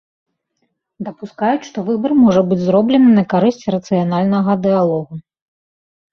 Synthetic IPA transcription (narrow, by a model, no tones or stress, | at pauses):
d̪ɐpuskajut͡sʲʂt̪ɔvɨbɐrmɔʐɐbɨd͡zʲzɾɔblʲɛnɨnɐkaɾɨsʲt͡sʲiɾɐt̪sɨjanalʲnɐɣɐd̪ɨjalˠɔɣu